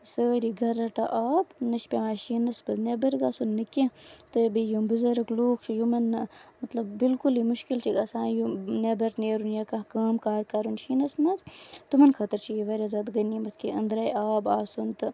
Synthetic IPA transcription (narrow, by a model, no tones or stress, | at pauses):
səːɾiɡʱɐɾɐʈɐ̰ʔaːbnɐʃpʲeʋaːʃinɐsbɐznebɐɾɡaːsunːɨkʲet̪ɨbijumbɨzɐɾɐkloːkt͡ʃʰijumɐnːmɐt̪lɐbːilkulimuʃkilt͡ʃʰiɡɐsãːjunebɐɾneːɾunjakãɦkɐːmkaːɾkaːɾunʃinɐsmɐzt̪umɐnkʰɐt̪ɐɾt͡ʃʰiiʋɐɾʲazɐd̪ɡɐnimɐt̪kiʔɐnd̪ɾaːjaːbaːsunt̪ɨ